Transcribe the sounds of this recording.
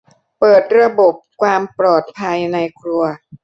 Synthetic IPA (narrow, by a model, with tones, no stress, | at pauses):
pɤː˨˩t̪̚ɾa˧bo˨˩p̚kʰwaː˧mpɾɔː˨˩t̪̚pʰa˧jna˧jkʰɾu˧ɐ